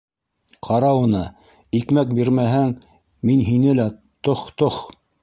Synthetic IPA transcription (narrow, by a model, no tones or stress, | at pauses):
qʰɑɾɑwŭnɤ | ikmæk̚biɾmæɦæŋ | minɦinɘlæ | t̪oχt̪oχ